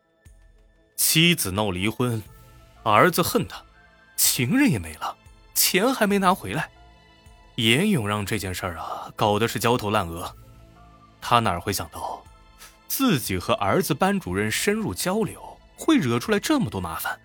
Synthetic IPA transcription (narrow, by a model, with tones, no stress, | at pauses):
t͡ɕʰi˥t͡sɹ̩˨˩nɑ˥˩ʊli˧˥xwə˥n | ə˧˥d͡zɹ̩˧xə˥˩nt̪ʰə̥˩ | t͡ɕʰi˧˥ŋɻə˥˩njɛ˨˩me˧˥ɪlə˧ | t͡ɕʰjɛ˧˥nxa˧˥ɪme˧˥ɪna˧˥xwe˧˥ɪla˧˥˦ɪ | jɛ˧˥njʊ˨˩ŋɻɑ˥˧ŋʈ͡ʂɤ˥˧t͡ɕjɛ˥˧nʂə˞˥˩ɐ˩kɑ˨˩ʊd̪ə˦ʂɻ̩˥˩t͡ɕjɑ˥ʊt̪ʰo˧˥ʊla˥˩nɤ˧˥ | t̪ʰa˥na̰˨˩˨xwe˥˩ɪɕjɑ˨˩ŋt̪ɑ˥˩ʊ | t͡sɹ̩˥˩t͡ɕi˨˩xɤ˧˥ʔə˞˧˥d͡zɹ̩˧pa˥nʈ͡ʂu˨˩ɻə˥˩nʂə˥nɻu˥˩t͡ɕjɑ˥ʊljo˧˥ʊ | xwe˥˩ɪɻɤ˧˥ʈ͡ʂʰu˥la˧˥ɪʈ͡ʂɤ˥˩mə˩t̪wɔ˥ma̰˧˥fa˨˩˦n